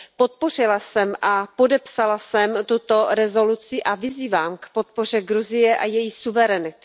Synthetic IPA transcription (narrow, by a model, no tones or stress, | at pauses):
po̞t̪̚po̞r̝ɪlasɛmʔapo̞dɛpsalasɛmt̪ut̪o̞ɾɛzo̞lut͡sɪʔavɪziːvaːmkpo̞t̪̚po̞r̝ɛɡɾuzɪjɛʔajɛjiːsuvɛɾɛnɪt̪